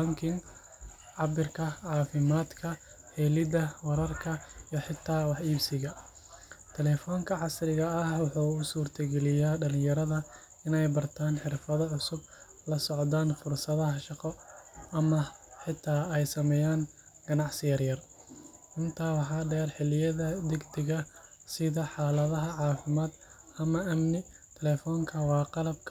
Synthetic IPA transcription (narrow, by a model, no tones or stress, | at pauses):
bɐŋkʰɪŋ | ʕɑbɪrkʰɐʕɑːfɪmaːd̪kʰɐ | hɛːlɪd̪ɐwɐɾɐrkʰɐijħɪt̪ʰaːwɑħiːbsɪɣɐ | t̪ʰɛlɛːfɔːŋkʰɐʕɑsɾɪɣɐːhwɑħuːʊsuːrt̪ʰɐɡɛlɪjaːɖɐlɪ̃jɐɾɐðɐ | ɪnɛjbɐrt̪ʰaːnħɪrfɐðɐʕʊsʊb̚ | lɐsɔʕd̪aːnfʊrsɐðɐɦɐʃɑqɔɐmɐħɪt̪ʰːaːɛjsɐmɛːjaːn | ɡ̥ɐnɑʕsɪjɐrjɐrʔɪnt̪ʰaːwɑħɑːɖɛːrħɪlɪjɐðɐd̪ɛɡd̪ɪɣɐsɪðɐħɑːlɐðɐɦɐʕɑːfɪmaːd̪ɐmɐʔɐmnɪt̪ʰɛlɛːfɔːŋkʰɐwɑːqɑlɐb̚kʰ